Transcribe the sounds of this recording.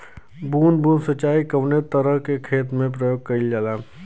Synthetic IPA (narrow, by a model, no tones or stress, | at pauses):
buːnbʱuːnsət͡ʃːaːikəʋnet̪əɾəɦkekʰeːt̪mẽp̬ɾəjoːɡ̚kəid͡ʒalaː